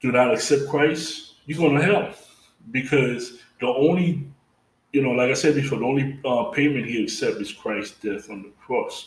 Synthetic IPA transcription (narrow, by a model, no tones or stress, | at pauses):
d̥ɨnəɾɨksɛp̚kʰɹ̥aɪsjɨɡɔnəɦɛlˠp | bikʰɔz | ðiõʊ̃nli | jɨnoʊlaɪkaɪsɛd̚bifɔðiõʊ̃nliʌpʰẽɪ̃mɨ̃nt̚hiɨksɛp̚tɨz̥kʰɹ̥aɪsd̥ɛθn̩ðəkʰɹ̥ɔs